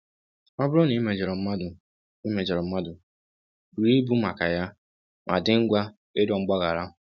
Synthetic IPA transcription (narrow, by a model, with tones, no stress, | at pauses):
ɔ˦bʊ˦ɾɔ˦ni˦me˨d͡ʒe˨ɾɔ˨m̩˦ma˦dʊ˨ | i˦me˨d͡ʒe˨ɾɔ˨m̩˦ma˦dʊ˨ | ɾi˦bu˦ma˨ka˨ja˦ | mʔa˨dɪ˦ŋ̩˦ɡʷa˦ | e˦dɔ˨ŋ͡m̩˦ɡ͡ba˦ɣa˨ɾa˦ʊ˨